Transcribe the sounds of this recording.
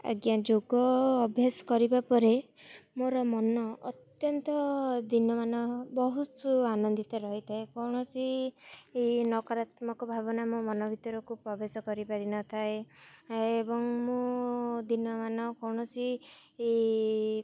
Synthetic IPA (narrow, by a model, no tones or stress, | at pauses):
a̰ɡjad͡ʒoɡɔːbʱjasɔ̥kɔɾibapɔɾe | moɾɔmɔnɔːt̪jɔnt̪ɔd̪inɔmanɔbɔɦusuanɔnd̪it̪ɔɾɔɦit̪ʰaekɔwɳ̃ɔt͡ʃi | enɔkɔɾat̪mɔkɔbʱabɔnamomɔnɔbʱit̪ɔɾɔkupɾɔbesɔkɔɾipaɾinɔt̪ʰae | ebɔŋmod̪inɔmanɔkɔwɳ̃ɔsiː